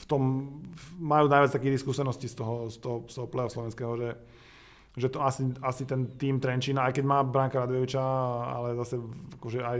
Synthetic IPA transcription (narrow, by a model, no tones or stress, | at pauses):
ft̪ɔmː | ajuːnajʋat͡st̪akiːɣt̪iskuːsɛnɔsciːst̪ɔɦɔst̪ɔɦɔst̪ɔɦɔplɛɔslɔʋɛnskɛːɦɔʒɛ | ʒɛt̪ɔasiasit̪ɛnt̪iːmt̪ɾɛnt͡ʃiːnaajkɛɟmaːbɾaŋkaɾad̪ʋɛʋit͡ʃaa̰lɛzasɛakɔʒɛaj